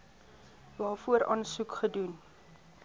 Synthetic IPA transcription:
vɑːfuəɾʔɑ̰ːnsukχədun

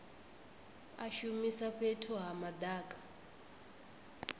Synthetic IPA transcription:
a̰ʃumisaɸetʰuɦamadaːkʼḁ

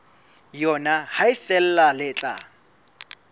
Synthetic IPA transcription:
jɔnahaɪfɛl̩lalɪt͡ɬʼa̰

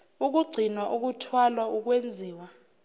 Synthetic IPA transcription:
uk̬uɡ͡ǀʱinaʔuk̬utʰwalauk̬wend͡zʱiːwa

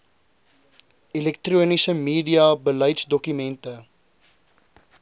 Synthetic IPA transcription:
ilɛk̚truːənisəmiːdiɐbələjtsdɔkymɛntə

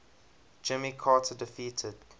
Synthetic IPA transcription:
d͡ʒɪmikʰɑːtʰədɪfiːtʰəd̥

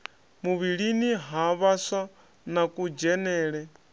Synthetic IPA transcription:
muβiɺiniɦaβaswa | nakʼud͡ʒɛnɛːɺɛ

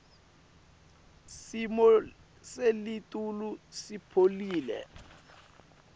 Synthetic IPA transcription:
simɔ | selitʼulusipʰoliːlɛ̰

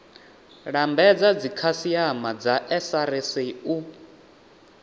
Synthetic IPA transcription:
ɺambɛd͡zad͡zikʰasiamad͡zaʔɛsaɾɛseu

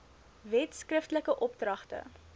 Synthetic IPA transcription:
vɛtskrəftələkəʔɔp̚drɐχtə̰

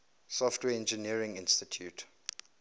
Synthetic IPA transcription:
sɔftʰwɛɛ̃nd͡ʒəniəɹɪ̃ŋɪ̃nstitʰjut

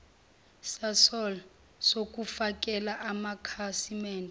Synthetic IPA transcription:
sasɔl | sok̬ʼufak̬ʼɛlaʔamakʰasimɛːndʱɛ

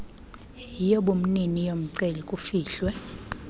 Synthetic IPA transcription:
jijɔɓum̩ninijom̩ǀelikʼufiːɬwɛ

